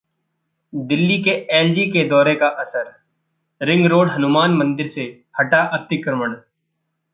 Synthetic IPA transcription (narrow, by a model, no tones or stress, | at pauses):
d̪ɪlːikeeːld͡ʒiked̪ɔːɾekaʔɐsəɾ | ɾɪ̃ŋɡɾoːɽɦɐnʊmaːnmɐ̃nd̪ɪɾse | hɐʈaʔɐt̪ɪkɾəməɳ